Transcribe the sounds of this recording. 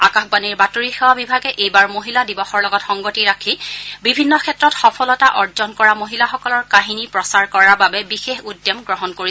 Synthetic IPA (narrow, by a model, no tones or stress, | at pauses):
akaxbaniɹbatoɹixewabibʱaɡɛʔejbaɹmoɦiladibɔxɔɹlɔɡɔtxɔŋɡotiɹakʰibibʱinːɔkʰɛtɹɔtxɔpʰɔlɔtaʔɔɹzɔnkɔɹamoɦilaxɔkɔlɔɹkaɦinipɹɔsaɹkɔɹababɛbixexudːɔmɡɹɔɦɔnkoɹi